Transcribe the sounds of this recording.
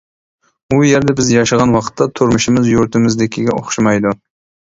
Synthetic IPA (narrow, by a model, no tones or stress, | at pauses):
ujɛɾd̪ɛbɪzjɑʃɨʁɑnwɑqʰə̥t̪ʰːɑt̪ʰʊɾmʊʃɪmɪzjuɾt̪ʰɪmɪzd̪ɪkʲʰiɡʲɛʔo̰χʃɪmɑjd̪u